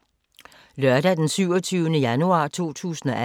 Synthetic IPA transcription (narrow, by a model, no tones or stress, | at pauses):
lœɐɾɛd̥ensyʊ̰ɒt͡sʰyːʊənəjænuɑ̰̈ːt͡sʰo̝̰ːt͡sʰṵːsn̩ɒ̽ʔæ